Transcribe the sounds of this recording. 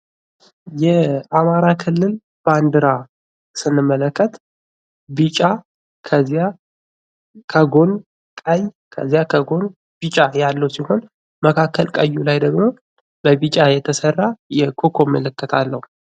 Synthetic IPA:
jɛamaɾakʰɨlːɨl | b̥and̪ɨɾa | sɨnːɨmːələkːət̪ | bit͡ʃʼa | kʰəzija | kʰəɡo̞n | kʼəjkʰə̰zijakʰəɡo̞n | b̥it͡ʃʼajalːəwsiho̞n | məkʰakːəlkʼəjːulajd̪əɡmo̞ | bəbit͡ʃʼajɛt̪ʰəsərːajɛkʰokʰo̞mələkːət̪ʰalːəhu

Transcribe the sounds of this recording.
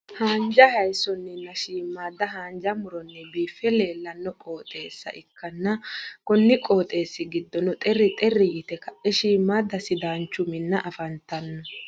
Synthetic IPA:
haːnd͡ʒɐhɐjsɔnːɛnːɐʃiːmːaːd̪ɐɦaːnd͡ʒɐmʊɾɔnːɛbiːfɛle̞ːlːɐnːɔkʼoːt̪ʼeːsːɐ̰ʔɪkːɐnːɐkɔnːɪkʼo̞ːt̪ʼe̞ːsːɪɡɪd̪ːɔnɔt̪ʼɛrːɪt̪ʼɛrːɪjɪt̪ɛkɐʔɛʃiːmːaːd̪ɐsɪd̪aːnt͡ʃːʊmɪnːɐʔɐfɐnt̪ɐnːɔ

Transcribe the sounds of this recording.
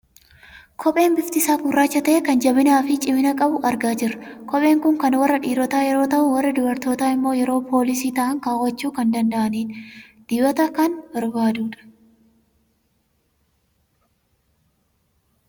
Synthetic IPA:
kʰɔpʼe̞ːnbɪft̪ɪsaːfʊrːaːt͡ʃːɐt̪ɐʔɛkɐnd͡ʒɐβɪnaːfɪt͡ʃʼɪmɪnɐkʼɐbʊʔɐɾɡaːd͡ʒɪrːɐ̥kɔpʼe̞ːŋkʊŋkɐnwɐrːɐᶑiːɾɔt̪aːjɛɾo̞ːt̪ɐʔʊwɐrːɐd̪ʊbɐɾt̪o̞ːt̪aːɪmːo̞ːjɛɾo̞ːpʰo̞ːlɪs̬iːt̪ɐʔɐŋkaːwɐt͡ʃːuːkɐnd̪ɐnd̪ɐʔɐniːn | d̪̥ɪbɐt̪ɐkɐnbɐɾbaːd̪uːᶑɐ̥

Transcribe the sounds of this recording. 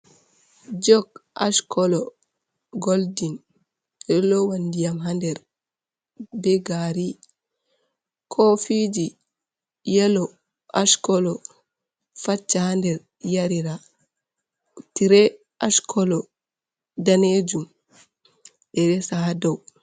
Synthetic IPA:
d͡ʒɔɡa̰ʃkʰɔlɔ | ɡoldin | jɛlɔwandijamɦandɛɾ | bɛɡaɾi | kʰɔfid͡ʒi | jɛlɔ | ʔaʃkɔlɔ | fat͡ʃːahandɛɾ | jaɾiɾa | tiɾɛ | ʔaʃkʰɔlɔ | daned͡ʒum | ɗɛɾɛsaɦadaw

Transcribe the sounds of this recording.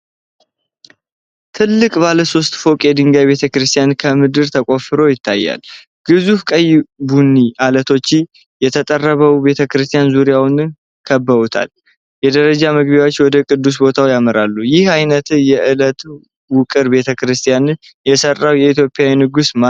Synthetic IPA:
t̪ʰɨlːɨkʼbaləso̞st̪ʼfo̞kʼɛd̪ɨŋɡajβe̞t̪ʰəkɾɨst̪ʰʼijankʰəmɨd̪ɨɾt̪ʰəkʼo̞fɨɾo̞jɪt̪ːajːa̰l | ɡ̥ɨzufkʼəjbunːiʔalət̪ʰo̞t͡ʃːɪ | jɛt̪ʰət̪ʼərːəβəwbe̞t̪ʰəkɨɾɨst̪ʰʼijanzuɾijawn | kʰəbːəβut̪ʰa̰l | jɛd̪əɾəd͡ʒaməɡbewot͡ʃːwɔd̪əkʼɨd̪ːus̬bo̞t̪ʰawjaməɾalːujɪhajnət̪ʰɨnjɛʔɨlət̪ | wʊkʼɨɾbe̞t̪ʰəkɨɾɨst̪ʰʼjanɨn | jɛsərːawjɛit̪jo̞pʼːjawinɨɡusma

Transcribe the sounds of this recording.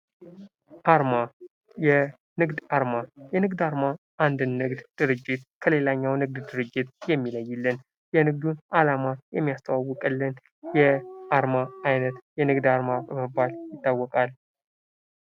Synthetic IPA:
ʔaɾma | jɛ | nɨɡd̪aɾmajɛnɨɡd̪aɾma | ʔand̪ɨnːɨɡd̪d̪̥ɨɾɨd͡ʒːɪt̪kʰəle̞laɲːawnɨɡ̚d̪d̪ɨɾɨd͡ʒːɪt̪jɛmːiləjːɨlːɨn | jɛnɨɡ̚d̪unʔalamajɛmːijast̪ʰʼəwawːɔkʼɨlːɨn | jɛʔaɾmaajnət̪jɛnɨɡd̪aɾmabəməbːaljɪt̪ʼːawːɔkʼal

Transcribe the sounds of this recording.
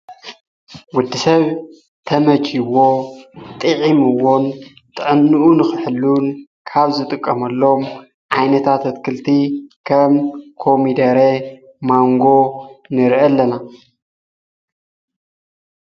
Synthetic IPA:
wʊd̪ːisɐβ | t̪ʰɐmɐd͡ʒiwot̪ʼɨʕimɨwon | t̪ʼɨʕɨnːuʔunɨxɨħɨlːun | kʰaβzɨt̪ʼɨkʼːɐmɐlːom | ʕajnɐt̪ʰat̪ʰɐt̪kʰɨlt̪ʰikʰɐmkʰo̞mid̪ɐɾe | maŋɡo̞nɨɾʔɐlːɐna

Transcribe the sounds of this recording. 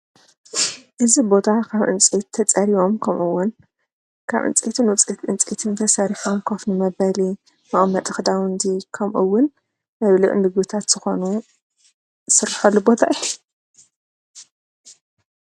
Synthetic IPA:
ʔɨzibo̞t̪ʰakʰaβʔɨ̰nt͡sʼit̪ʰːɐt͡sʼɐɾiwo̞mkʰɐmʔɨwːʊn | kʰa̰βʔɨ̰nt͡sʼit̪ʰɨnwʊt͡sʼit̪ɨnt͡sʼit̪ʰɨnt̪ʰɐsaɾifomkʰofnɨmɐβɐli | nɐʔmːɐt̪ʼɨxd̪awɨnd̪ikʰɐmʔṵwːʊn | mɐβlɨʔɨnd̪ɨɡɨt̪ʰat̪z̥ɨxo̞nu | sɨrħɐlːubo̞t̪ʰaʔɨju

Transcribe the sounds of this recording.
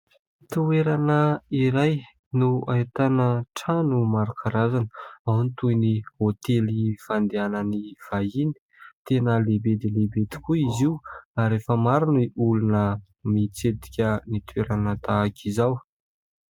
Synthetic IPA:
t̪ueɾanəiɾaj | nuait̪anəʈ͡ʂanumaɾakʰaɾazanəawnit̪ujnihot̪elifand̪eanəniv̥aini̥t̪enəlebed̪ilebed̪i̥kuiziuaɾefəmaɾuniʔulunə | mit͡sed̪i̥kʲənit̪ueɾanət̪aːkʰizaw

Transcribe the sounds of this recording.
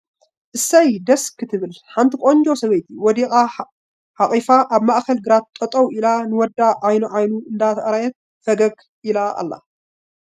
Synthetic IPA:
ʔɨsːɐjd̪ɐskʰɨt̪ʰɨβɨlħant̪ʰikʼoɲd͡ʒo̞sɐβɐjt̪ʰiwɔd̪ikʼa | ħaχʼifaʔaβmaʔkɐlɡɨɾat̪̚ːʼɐt̪ʼɐwilanɨwɔd̪aʕajnuʕajnuɨnd̪at̪ʰɐʔɾajɛt̪̚ | fɐɡɐɡ | ʔilaa̰lːa̰

